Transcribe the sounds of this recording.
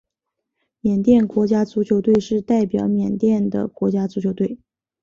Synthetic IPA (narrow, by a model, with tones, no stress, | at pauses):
mjɛ˨˩nt̪jɛ˥˩nkwɔ˧˥t͡ɕja˥t͡su˧˥t͡ɕʰjo˧˥ʊt̪we˥˧ɪʂɻ̩˥˧t̪a˥˩ɪpjɑ˨˧˥ʊmjɛ˨˩nt̪jɛ˥˩nd̪ə̰˩kwɔ˧˥t͡ɕja˥t͡su˧˥t͡ɕʰjo˧˥ʊt̪we˥˩ɪ